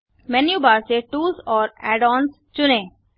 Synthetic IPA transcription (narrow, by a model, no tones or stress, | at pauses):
mɛnjuːbaːɾseʈuːsɔːɾɛːɖɔːns | t͡ʃʊnẽː